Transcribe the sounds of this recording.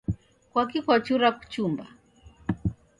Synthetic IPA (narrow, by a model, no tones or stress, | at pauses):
kwak̬ikʷwat͡ʃuɾaku̥t͡ʃumba̰